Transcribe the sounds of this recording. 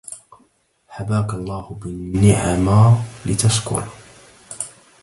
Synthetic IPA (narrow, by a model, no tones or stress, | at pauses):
ħabaːkalˤːɑːhʊbɪːɪʕamaːlɪt̪askʊ̰ɾˤ